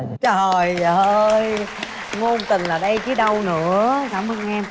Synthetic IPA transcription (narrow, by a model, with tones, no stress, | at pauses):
t͡ɕə˨˩jəəː˧j | ŋo˧nt̪ï˨˩ŋ̟laː˨˩ɗə˧jt͡ɕi˨˧˦ɗə˧wnɨ̰˧˥˦əkaː˧˩mʔə˧ŋʔɛ˧m